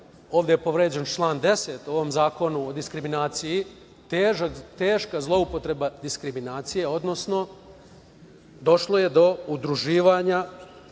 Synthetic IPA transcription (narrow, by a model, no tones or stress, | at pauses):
o̞ːʋd̪ejepo̞ʋɾeːd͡ʑe̞nt͡ʃlˠaːnd̪e̞set̪uoʋo̞mzaːko̞nuod̪iskɾiminaːt̪siji | t̪eːʒakt̪eːʃkazlˠo̞upo̞t̪ɾebad̪iskɾiminaːt̪sije̞o̞d̪no̞sno̞ | d̪o̞ʃlˠo̞je̞d̪o̞ud̪ɾuʒiːʋaɲa